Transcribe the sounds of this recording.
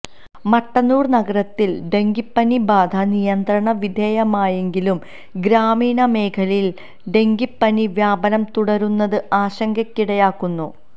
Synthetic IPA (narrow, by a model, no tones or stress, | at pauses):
mɐʈːɐnuːrnɐɡɐɾɐt̪ːilɖe̞ŋɡipːɐnibaːd̪ʱɐnijɐnd̪ɾɐɳɐʋid̪ʱeːjɐmaːje̞ŋɡilum | ɡɾaːmiːɳɐme̞ːkʰɐlil | ɖe̞ŋɡipːɐniʋjaːbɐnɐmt̪uɽɐɾunːɐðɨʔaːɕɐŋɡɐkːiɽɐjaːkːunːu